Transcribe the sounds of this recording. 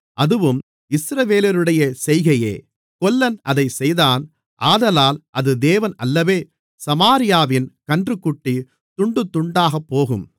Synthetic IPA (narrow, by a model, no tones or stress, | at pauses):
ʔɐðɯʋɯm | ɪsɾɐʋeːlɪɾɯɽɐjɐsɛjɣɐjḛː | kɔlːɐnʔɐðɐɪsɛjðaːn | ʔaːðɐlaːlʔɐðɯd̪eːʋɐnɐlːɐʋeː | sɐmaːɾɪjaːʋɪnkɐɳdrɯkːʊʈːi | t̪ʊɳɖɯt̪ːʊɳɖaːɣɐpːoːɣɯm